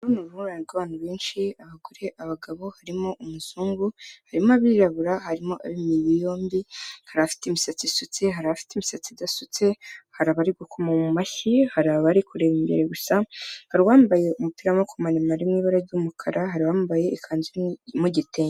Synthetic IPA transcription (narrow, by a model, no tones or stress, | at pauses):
ɾunuɾuhuɾaniɾɡaβaːn̥uβe̞ːnʃiaβaɡoɾe̞ʔaβaɡaβo̞haɾimo̞ʔumuzuːŋɡuhaɾimoaβiɾaβuɾahaɾimo̞ʔa̰βimijijo̞ːmbihaɾaafi̥temisat͡sisut͡seɦaɾaafi̥temisat͡sidasut͡se̞haɾaβaɾiɡukʰomamumaçihaɾaβaɾikuɾeβimbe̞̰ɾeɡusahaɾiwaːmbaje̞ʔumupiːɾamakomanimaɾimŋiːβaɾaɾɟumukʰaɾaɦaɾiwaːmbaje̞ʔikʰaːnziɾimuɟiteː